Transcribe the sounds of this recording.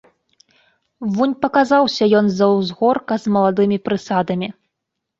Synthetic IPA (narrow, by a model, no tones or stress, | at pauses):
vunʲpɐkazawsʲɐjɔnzɐwzɣɔrkɐzmɐlˠad̪ɨmʲipɾɨsad̪ɐmʲi